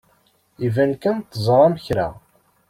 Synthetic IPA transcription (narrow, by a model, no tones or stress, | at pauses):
ivænkænt̪ːəzˤɾˤɑməçɾa̰